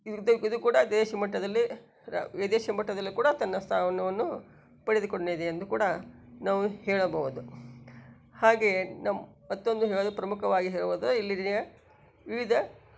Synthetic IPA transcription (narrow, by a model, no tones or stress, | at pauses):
id̪id̪ukuːɽɐd̪eːʃimɐʈːɐd̪ɐlːi | ɾ̰ed̪eːʃimɐʈːɐd̪ɐlːikuːɽɐt̪ɐnːɐst̪ʰaːʋɐnɐʋɐnːu | pɐɽed̪ukoɳnid̪eːnd̪ukuːɽɐnaːʋuhɛːɭɐbɐʋud̪u | haːɡe̞namɐt̪ːo̞nd̪uɦɛːɭod̪upɾɐmukɐʋaːɡiɦɛːɭuʋoːd̪ɐilːijɐ | ʋiʋid̪ɐ